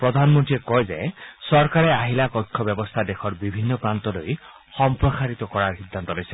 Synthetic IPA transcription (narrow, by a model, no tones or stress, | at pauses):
pɹɔd̪ʱanmɔnʈiekɔjzḛsɔɹkaɹeaɦilakɔjkʰːɔbjɔbɔst̪ʰadexʰɔɹbibʱinːɔpɹant̪ɔloj | xɔmpɹɔsaɹit̪ɔkɔɹaɹxid̪ːant̪ɔlojsi